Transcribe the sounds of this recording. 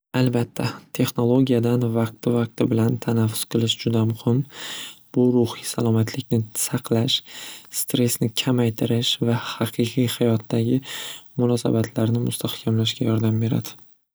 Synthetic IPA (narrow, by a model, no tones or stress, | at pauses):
albat̪ʰːat̪ʰe̞χno̞lˠo̞ɡʲijad̪anvɑq̚t̪ɪvɑq̚t̪ʰɪbɪlant̪ʰanafːʊ̥z̥qʰɨlˠɪʃd͡ʒʊd̪amʊhɪmb̥ʊɾʊhisalˠɒmat̪ʰlɪkʲnɪsɑqʰlaʃst̪ɾe̞snɪkʲʰamajt̪ʰɪɾɪʃvahɑqʰɨqʰɨjhajɒt̪ːaɡʲɪmʊnɒsa̰bat̪ʰlaɾnɪmʊ̰st̪ʰahkʲʰamlaʃɡʲajɒɾd̪ambe̞ɾa̰d̪̥ɪ